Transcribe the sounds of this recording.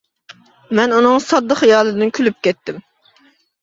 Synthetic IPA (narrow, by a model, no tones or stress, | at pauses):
mɛnunɨŋsɑd̪ːəχjɑːlˠɨd̪ɪnkʲʰylyp̚kʲɛt̪ːɪm